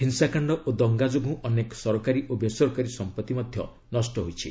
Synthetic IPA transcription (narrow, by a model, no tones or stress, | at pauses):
ɦinsakaɳɖɔʔod̪ɔŋɡad͡ʒoɡʱũʔɔnekɔ̥sɔɾɔkaɾiʔobjesɔɾkaɾisɔmpɔt̪ːimɔd̪ʱjɔ̰ | nɔsʈɔɦojt͡ʃʰi